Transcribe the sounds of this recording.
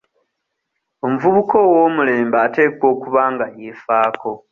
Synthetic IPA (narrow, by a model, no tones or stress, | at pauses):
o̞muvuβuko̞woːmule̞ːmbaːte̞ːkwo̞ːkuβaːŋɡajefaːkʰo̞